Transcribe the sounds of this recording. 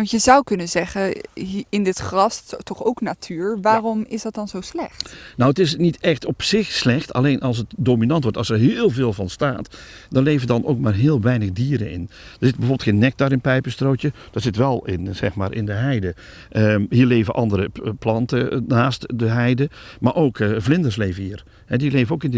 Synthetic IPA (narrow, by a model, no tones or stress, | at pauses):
ɑntjəzʌwkɵnənzɛχəɪndɪtχrɑstɔχowknatʰyːɹʋaːrɔmɪsdɑt̚dɑnzowslɛχtnowətɪsnitɛxtɔpsɪxslɛxtɑ̰lejnʔɑlˠs̬ətdoːminɑntʋɔɹtɑlˠsɛɹɦɪːlˠveːlˠvɑnstaːtdɑnlejvədɑnʔo̰wk̚maːrɦɪːlˠʋɛjnəɣdiːɾə̰nɪ̰nd̥əɹz̥ɪtəbəoːbɪlˠtxeːnːɛk̚tarɪnpɛjpəstrotjə | d̥ɔtsɪtʋɛlˠɪ̰nz̥ɛ̰xmaːɾʔɪ̰ndəɦɛjdə | ʔəɦiːɹlejvəʔɑndəɾəplɑntənaːstdəɦɛjdəmaːrʔowkvlɪndərsleːvəhiːr | hɛdilejvəowkɪndə